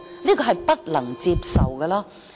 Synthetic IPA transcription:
liː˥kɔː˧ɦɐ˨jpɐ˥t̚lɐ˨˩ŋt͡siː˧p̚sɐ̰˨wkɛː˧laː˥

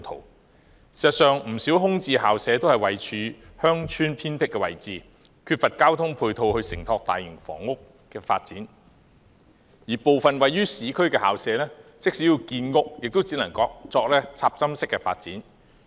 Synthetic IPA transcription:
t̪ʰo̰˨˩w | si˨˩sɐ˨˩t̚sœː˨ŋm̩˨˩siː˨˥wɦʊ˥ŋt͡siː˧ɦaː˨wsɛː˨˧t̪o˥whɐ˨jwɐ˨jt͡ʃʰyː˨˥hœː˥ŋt͡ʃʰyː˥npʰiː˥npʰɪ˥kːɛ˧wɐ̰˨˩jt͡siː˨˩ | kʰyː˧t̚fɐ˨t̚kaː˥wt̪ʰʊ˥ŋpʰuː˧jt̪ʰo˧whɵ˧ɥsɪ˨˩ŋt̪ʰɔː˧k̚t̪aː˨jɪ˨˩ŋfɔ̰ː˨˩ŋːʊ˥k | kɛː˧fa̰ː˧t̚t͡siː˨˥n | jiː˨˩po˨wfɐ˨nwɐ˨jyː˥siː˨˥kʰɵ˥ɥkɛː˧ha̰ː˨wsɛː˨˥lɛː˥t͡sɪ˥k̚si˨˥jiː˧wkiː˧nŋʊ˥k̚jɪ˨k̚t̪o˥wt͡siː˨˥nɐ˨˩ŋkɔː˧k̚t͡sɔː˧k̚lɛː˥t͡sʰaː˧˥p̚t͡sɐ˥msɪ˥kːɛ˧fa̰ː˧t̚t͡siː˨˥n

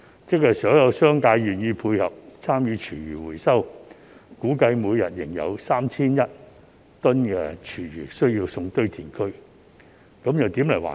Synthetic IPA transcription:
t͡sɪ˥k̚sɐ˨˩jsɔː˨˥jɐ˨˧wsœː˥ŋkaː˧jɥyː˨njiː˧pʰuː˧jhɐ˨p̚t͡sʰaː˥mjyː˨˧t͡ʃʰyː˨˩jyː˨˩wuː˨˩jsɐ˥w | kuː˨˥kɐ˧jmuː˨˧jjɐ̰˨t̚jɪ˨˩ŋjɐ̰˨˧wsaː˥mt͡sʰiː˥njɐ˥t̚ | t̪ɵ˥nkɛː˧t͡ʃʰyː˨˩ɥyː˨˩sɵ˥ɥjiː˧wsʊ˧ŋt̪ɵ˥ɥt̪ʰiː˨˩nkʰɵ˥ɥ | kɐ˨˥mjɐ˨wt̪iː˨˥mlɐ˨˩jwa̰ː˨

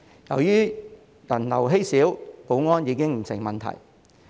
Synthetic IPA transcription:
jɐ̰˨˩wjyː˥ | jɐ˨˩nlɐ˨˩wɦe˥jsiː˨˥wpo˨˥wŋɔː˥njiː˨˧kɪ˥ŋm̩˨˩sɪ˨˩ŋmɐ˨nt̪ʰɐ̰˨˩j

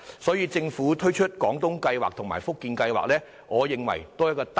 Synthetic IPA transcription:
sɔː˨˥jiː˨˧t͡sɪ˧ŋfuː˨˥t̪ʰɵ˥ɥt͡ʃʰɵ˥t̚kɔː˨˥ŋt̪ʊ˥ŋkɐ˧jwaː˨k̚t̪ʰʊ˨˩ŋma̰ː˨˩jfʊ˥kːiː˧nkɐ˧jwa̰ː˨k̚lɛː˥ | ŋɔː˨˧jɪ˨ŋwɐ̰˨˩jt̪oː˥jɐ˥t̚kɔː˧t̪

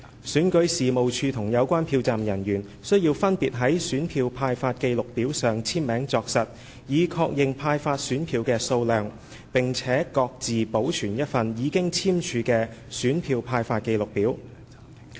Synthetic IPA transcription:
syː˨˥nkɵ˨˥ɥsiː˨mo˨wt͡ʃʰyː˧t̪ʰʊ˨˩ŋjɐ˨˧wkʷaː˥npʰiː˧wt͡saː˨mjɐ˨˩njyː˨˩n | sɵ˥ɥjiː˧wfɐ˥npiː˨t̚ɦɐ˨˥jsyː˨˥npʰiː˧wpʰaː˧jfaː˧t̚ke˧jlʊ˨k̚piː˨˥wsœː˨ŋt͡sʰiː˥mmɛː˨˥ŋt͡sɔː˧k̚sɐ˨t̚ | jiː˨kʰɔː˧k̚jɪ˨ŋpʰaː˧jfaː˧t̚syː˨˥npʰiː˧wkɛː˧so˧wlœː˨ŋ | pɪ˨ŋt͡sʰɛː˨˥kɔː˧k̚t͡siː˨po˨˥wt͡ʃʰyː˨˩njɐ˥t̚fɐ˨njiː˨˧kɪ˥ŋt͡sʰiː˥mt͡ʃʰyː˨˧kɛː˧syː˨˥npʰiː˧wpʰaː˧jfaː˧t̚ke˧jlʊ˨k̚piː˨˥w

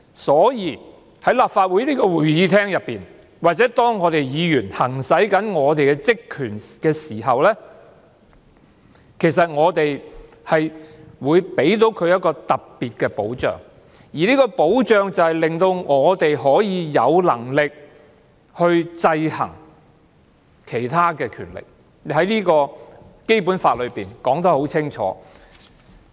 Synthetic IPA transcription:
sɔː˨˥jiː˨ | hɐ˨˥jlaː˨p̚faː˧t̚wuː˨˥jliː˥kɔː˧wuː˨˩jjiː˨˧t̪ʰɛː˥ŋjɐ˨pːiː˨n | waː˨t̚t͡sɛː˨˥t̪ɔː˥ŋːɔː˨˧t̪e˨jjiː˨˧jyː˨˩nhɐ˨˩ŋsɐ˨˥jkɐ˨˥nŋɔː˨˧t̪e˨jkɛ˧t͡sɪ˥kʰːyː˨˩nkɛː˧siː˨˩ɦɐ˨wlɛː˥ | kʰe˨˩jsɐ˨t̚ŋɔː˨˧t̪e˨j | hɐ˨jwuː˨˧jpe˨˥jt̪̬o˨˥wkʰɵ˨˧ɥjɐ˥t̚kɔː˧t̪ɐ˨p̚piː˨t̚kɛː˧po̰˨˥wt͡ʃœ̰ː˨ŋ | jiː˨˩liː˥kɔː˧po˨˥wt͡ʃœː˨˧ŋt͡sɐ˨whɐ˨jlɪ˨ŋt̪o˧wŋɔː˨˧t̪e˨jɦɔː˨˥jiː˨˧jɐ˨˧wlɐ˨˩ŋlɪ˨k̚ | hɵ˧ɥt͡sɐ˧jhɐ̰˨˩ŋ | kʰe˨˩jt̪ʰaː˥kɛː˧kʰyː˨˩nlɪ̰˨˩k̚ | hɐ˨˥jliː˥kɔː˧ke˥jpuː˨˥nfaː˧t̚lɵ˨˧ɥpiː˨nkɔː˨˥ŋt̪̬ɐ˨˥ho˨˥wt͡sʰɪ˥ŋt͡ʃʰɔ̰ː˨˥

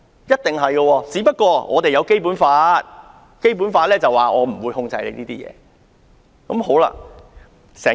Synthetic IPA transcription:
jɐ˥t̚t̪ɪ˨ŋɦɐ˨jɡə˧wɔː˧t͡siː˨˥pɐ˥t̚kɔː˧ŋɔ̰ː˨˧t̪e˨jɐ˨˧wke˥jp̬uː˨˥nfaː˧t̚ | ke˥jp̬uː˨˥nfaː˧t̚lɛː˥t͡sɐ˨waː˨ŋɔː˨˧m̩˨˩wuː˨˧jhʊ˧ŋt͡sɐ˧jlḛ˨˧niː˥t̪iː˥jɛ̰ː˨˧ | kɐ˨˧˥mho˨˥wla̰ː˧ | sɛː˨˩

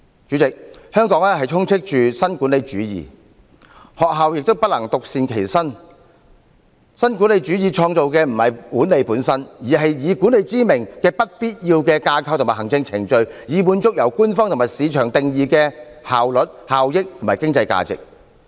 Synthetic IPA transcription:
t͡ʃyː˨˥t͡sɪ˨k̚hœː˥ŋkɔː˨˥ŋɛː˥hɐ˨jt͡ʃʰʊ˥ŋt͡sʰɪ˥k̚t͡ʃyː˨sɐ˥nkuː˨˥nle˨˧jt͡ʃyː˨˥jḭː˨ | hɔː˨k̚ɦaː˨wjɪ˨k̚t̪o˥wpɐ˥t̚lɐ˨˩ŋt̪ʊ˨k̚siː˨nkʰe˨˩jsɐ˥n | sɐ˥nkuː˨˥nle˨˧jt͡ʃyː˨˥jiː˨˧t͡ʃʰɔː˧ŋt͡so˨wkɛː˧m̩˨˩hɐ˨˩jkuː˨˥nle˨˧jpuː˨˥nsɐ˥njiː˨˩ɦɐ˨jjiː˨˧ku˨˥ne˨˧jt͡siː˥mɪ˨˩ŋkɛː˧pɐ˥t̚piː˥t̚jiː˧wkɛː˧kaː˧kʰɐ˧wt̪ʊ˨˩maː˨˩hɐ˨˩ŋt͡sɪ˧ŋt͡sʰɪ˨˩ŋt͡ʃɵ˧ɥjiː˨˧muː˨˧nt͡sʊ˥k̚jɐ˨˩wkuː˥nfɔː˥ŋt̪ʊ˨˩maː˨˩jsiː˨˧t͡ʃʰœː˨˩ŋt̪ɪ˨ŋjiː˨˧kɛː˧haː˨wlɵ˨t̚haː˨wjɪ˥k̚t̪ʰo˨˩maː˨˩kɪ˥ŋt͡sɐ˧jka̰ː˧t͡sɪ̰˨k̚

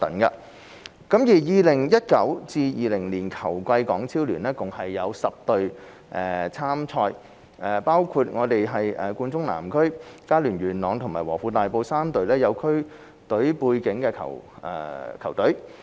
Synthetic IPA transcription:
t̪ɐ˨˥nkɐ̰˧ | kɐ˨˥mjiː˨˩jiː˨lɪ˨˩ŋjɐ˥t̚kɐ˨˥wt͡siː˧jiː˨˧lɪ˨˩ŋliː˨˩nkʰɐ˨˩wkʷɐ˧jkɔː˨˥ŋt͡sʰiː˥wlyː˨˩nɛː˥kʊ˨ŋhɐ˨jːɐ˨˧wsɐ˨p̚t̪ɵ˨ɥ | ʔɛː˨˩t͡sʰaː˥mt͡sʰɔː˧j | ʔɛː˨paː˥wkʰu˧t̚ŋɔː˨˧t̪e˨jɦɐ˨jʔɛː˨˩kuː˧nt͡sʊ˥ŋna̰ː˨˩mkʰɵ˥ɥkaː˥lyː˨˩nɥyː˨˩nlɔː˨˧ŋt̪ʰʊ˨˩ŋmaː˨˩jwɔː˨˩fuː˧t̪aː˨jpo˧wsaː˥mt̪ɵ˨ɥlɛː˥jɐ˨˧wkʰɵ˥ɥ | t̪ɵ˨˥ɥpuː˧jkɪ˨˥ŋkɛː˧kʰɐ̰˨˩wʔɛ̰˨˧kʰɐ˨˩wt̪ɵ˨˥ɥ

